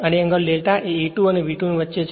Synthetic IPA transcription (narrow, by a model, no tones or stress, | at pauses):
əneəŋɡəlːelʈaʔeiʈũəneʋiʈunuʋətːʃet͡ʃʰ